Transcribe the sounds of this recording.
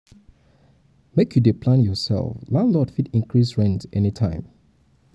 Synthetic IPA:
mekʰjudepʰlãnjɔsɛ̰lˠflãndlɔdfitĩnkɹisɹɛ̃ntɛnitʰãɪ̃m

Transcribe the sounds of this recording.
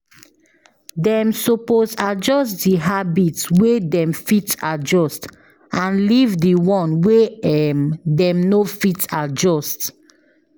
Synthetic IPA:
dɛ̃msoposad͡ʒɔstdiɦabitswedɛ̃mfitad͡ʒɔst | ãnlivdiwɔ̃nweɛmdɛ̃mnofitad͡ʒɔst

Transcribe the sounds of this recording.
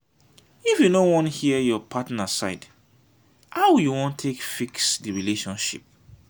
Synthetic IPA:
ifjunowɔ̃nhiəjɔpʰatnaasaɪd | hawjuwɔ̃ntʰekfiksdɨɹileʃɔ̃nʃḭp̚

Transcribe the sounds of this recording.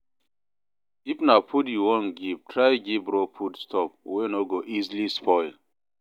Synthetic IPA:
ifnapʰutjuwɔ̃nɡib̚tʰɾajɡibɾopʰutstʰɔp̚wenoɡoʔizlispʰɔɪl

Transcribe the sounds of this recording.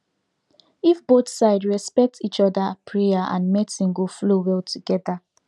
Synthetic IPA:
ifboθsaɪdɹɛspɛk̚tit͡ʃɔdapʰɹeaʔã̰nmɛtĩŋɡoflowɛltʰuɡɛda

